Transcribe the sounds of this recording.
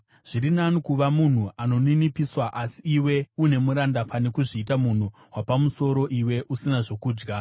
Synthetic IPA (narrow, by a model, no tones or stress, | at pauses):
ʐ̥iɾinanikuʋamun̤uʔano̞ninipiswaʔasiːwe̞une̞muɾandapane̞kuʐiːtamun̤u | wapamuso̞ɾo̞ʔiwe̞ʔusinaʐo̞kuːd͡ʒɡa